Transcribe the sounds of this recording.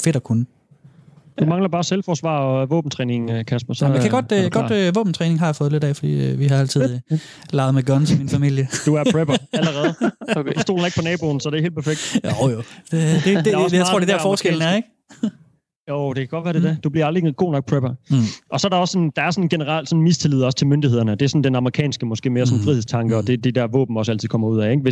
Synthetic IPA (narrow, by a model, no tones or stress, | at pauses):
fe̝d̥ɒkʰunə | d̥umɑ̈ŋlɐb̥ɑːselfɒːsʋɑ̰̈ːɒʋɔ̰ːb̥̚n̩t͡sʰʁɛːne̝ŋkʰæsb̥ɐsmmekʰæɡ̥ɒ̽d̥ɡ̥ɒ̥̽øʋɔ̰ːb̥n̩t͡sʰʁɛːne̝ŋɦɑ̈jafɔ̽ːð̞̩ˠle̝ɾ̥ɛ̰fɒd̥ḭːøʋiɦɑ̈æl̰t͡sʰið̰ˠ | lɑ̈ːðˠmeɡ̥ɒ̽nsminfæmil̰jəd̥uæɐʁeb̥ɐæləʁɛːð̩ˠsd̥o̰ːlneɡ̥̚pʰɒ̽nɛːb̥o̝ːn̩sɒdeæhḛːl̥pʰɐfeɡ̥̚d̥oo̥ | jat͡sʰːo̰ːd̥edæɐffɒːsɡ̥eln̩æɐeɡ̥ | joʊd̥e̝kʰæɡ̥ɒd̥ʋæːɐd̥e̝dæd̥ub̥liɐɑ̈ld̥ʁiiɡ̥o̝̰ːnɒ̽ɡ̥̚pʰʁeb̥ɐʔɒ̽sɒɐɾɑɒsːɒ̽nd̥ɑ̈æɐsɒ̽nɡ̥enəʁɑ̈l̰d̥sɒ̽n̩mist͡sʰe̝lið̞̰ˠɒ̽st͡sʰe̝lmønd̥iheð̰ˠɐnəd̥e̝æɐsɔ̽n̩d̥enɑ̈məʁikʰɛ̰ːnsɡ̥əmɒ̽sɡ̥e̝̰ːme̝ːɐsɒ̽n̩fʁihḛst͡sʰɑ̈ŋɡ̥əɒ̽d̥e̝d̥ed̥æɐʋɔ̰ːb̥m̩ɒsæl̰t͡sʰið̩ˠkɒ̽m̰ɐuð̰ˠɛe̝ɡ̥ʋe̝